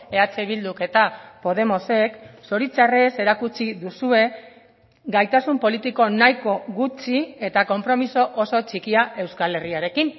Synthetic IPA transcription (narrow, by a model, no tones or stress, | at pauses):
e̞at͡seβild̪uke̞t̪apo̞ð̞e̞mo̞se̞kso̞ɾit͡sarese̞ɾakut͡ʃiðusue̞ | ɡajt̪asumpo̞lit̪iko̞najko̞ɣut͡ʃie̞t̪ako̞mpɾo̞miso̞ʔoso̞t͡ʃikiaʔe̞wskale̞riaɾe̞kin